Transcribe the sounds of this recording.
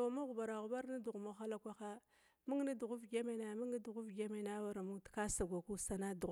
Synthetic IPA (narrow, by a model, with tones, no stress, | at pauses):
a˨ma˦ɣu˨ba˨ɾa˨ɣu˨ba˦ɾni˦du˨ɣmo˦xa˦la˦kʷa˦xa˦ | mu˦ŋni˦du˨ɣu˦vɡʲe˦me˦na˨mu˦ŋni˦du˨ɣu˦vɡe˦me˨na˦wa˦ɾa˨mu˦ŋtka˦sa˨ɡʷa˨ku˦sa˨na˦du˨ɣ